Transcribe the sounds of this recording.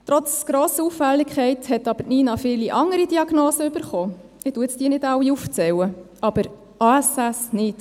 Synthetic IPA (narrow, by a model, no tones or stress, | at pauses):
t̪ɾɔt͡sɡ̥ɾoːsəufælːɪkχɛɪthɛt̪ɑbəɾniːnɑfɪːliʔɑŋəɾidiɑɡnoːsəʏbəɾχoː | ɪtuəɛt͡sd̥iːnɪdɑwiuft͡sɛwəʔɑb̥əɾ | ʔɑːæsæsnɪt